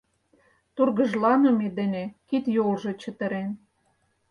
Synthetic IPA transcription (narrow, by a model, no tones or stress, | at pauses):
t̪urɣə̆ʒlɑnomed̪ə̆nʲekit̪jolʒɤ̆t͡ɕə̆t̪ə̆ɾen